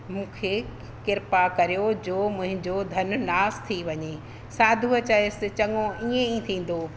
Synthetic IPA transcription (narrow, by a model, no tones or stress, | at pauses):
mũːkʰe | kɪɾpakɐɾijod͡ʑoːmʊ̃ɦɪ̃ɲd͡ʑod̪ʱɐnʊ̆naːst̪ʰiʋɐɲe | saːd̪ʱuət͡ɕaɪsɪt͡ɕɐŋõʔiːẽit̪ʰĩːn̆d̪oː